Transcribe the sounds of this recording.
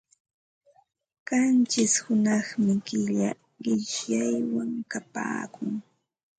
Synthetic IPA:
ɢ̥ant͡ʃɪshʊnɑχmɪkɪʎa | ɢɪʃjajwaŋkapa̰ːkʊŋ

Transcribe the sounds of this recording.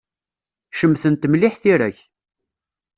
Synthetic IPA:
ʃəmθənt̪mlɪħθiɾæç

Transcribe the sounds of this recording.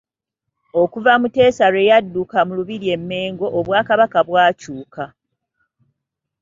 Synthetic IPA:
o̞kuvamute̞ːsaɾwe̞jadːukamuluβiɾie̞mːe̞ːŋɡo̞ʔoβwaːkaβakaβwaːcuːka

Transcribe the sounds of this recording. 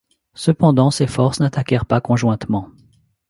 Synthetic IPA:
səpɑ̃d̪ɑ̃sefɔʁsnat̪akʲɛʁpakɔ̃ʒwɛ̃t̪mɑ̃

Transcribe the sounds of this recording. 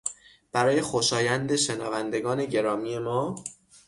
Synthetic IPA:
b̥æɾɒːje̞xoʃɒːjænd̪e̞ʃe̞nɒːvænd̪e̞ɡɒːne̞ɟe̞ɾɒːmiːe̞mɒː

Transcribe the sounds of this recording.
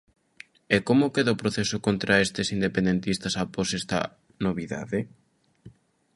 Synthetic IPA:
ekomʊkeðaopɾoθesʊkont̪ɾaest̪esind̪epẽnd̪ent̪ist̪ɐsaposest̪ɐ̰ | noβiða̰ðe

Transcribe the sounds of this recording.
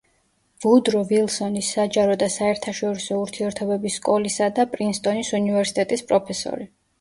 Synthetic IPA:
vud̪ɾɔvilˠsɔnisːad͡ʒaɾɔd̪asaɛɾt̪ʰaʃɔɾisɔuɾt̪ʰiɛɾt̪ʰɔbɛbisːkʼɔlisad̪apʼɾinst̪ʼɔnisunivɛɾsit̪ʼɛt̪ʼispʼɾɔpʰɛsɔ̰ɾi

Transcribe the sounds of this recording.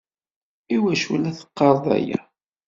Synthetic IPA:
iwæʃulæθə̥qːɑɾˤðˤæ̰jæ̰

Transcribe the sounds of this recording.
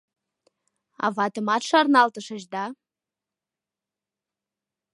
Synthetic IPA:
ɑ̰vɑt̪əmɑt̪ʃɑrnɑlt̪əʃə̆ʒd̪ɑ

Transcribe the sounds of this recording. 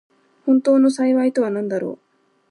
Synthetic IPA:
hunt̪oːnusajʋajt̪oɐnɐnd̪ɐɾo̰

